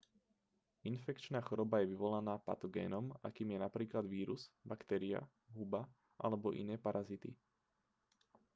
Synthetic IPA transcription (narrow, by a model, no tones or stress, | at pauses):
infɛkt͡ʃnaːxɔɾɔbajɛʋiʋɔlanaːpa̰t̪ɔɡɛ̰ːnɔma̰kiːmjɛnapɾiːklad̪ʋiːɾuz̥bakt̪ɛːɾia̰ | ɦuba | ʔa̰lɛbɔʔḭnɛːpaɾʔazit̪ḭ